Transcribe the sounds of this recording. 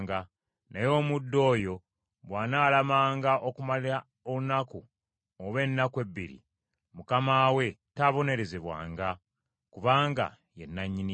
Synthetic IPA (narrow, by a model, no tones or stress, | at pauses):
ŋɡa | najo̞ːmudːo̞ːjo̞ | βwaːnaːlamaːŋɡaʔokumalia | olunaku | oβe̞nːakwe̞bːiɾḭ | mukamaːwe̞taβo̞ne̞ɾe̞zeβwa̰ːŋɡa | kuβaːŋɡa̰ | jenːaɲːini